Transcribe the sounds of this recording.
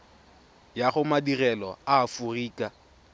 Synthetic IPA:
jaχʊmadirɛlɔaːfuriːkʼa

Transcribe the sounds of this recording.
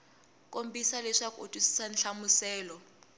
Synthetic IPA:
kʼombisaleʂakʼo̰tʼusi̥sanɬamusɛːlɔ

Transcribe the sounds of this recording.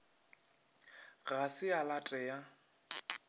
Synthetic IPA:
ɣasɪalatʼɛja

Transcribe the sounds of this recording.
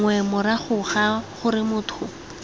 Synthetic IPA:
ŋwɛmʊɾaχʊχaχʊɾɪmʊːtʰʊ

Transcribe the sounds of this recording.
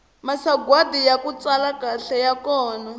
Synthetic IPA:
masaɡwadijakut͡salakaɬɛjakɔːna

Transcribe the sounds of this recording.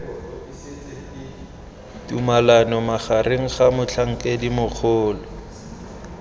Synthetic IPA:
tumalanɔmaχareŋ̩χamʊt͡ɬʰaŋ̩kʼedimʊk͡xʰʊːlɔ

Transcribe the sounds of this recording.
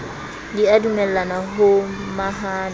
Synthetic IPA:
diadumɛlːanaɦomaɦaː

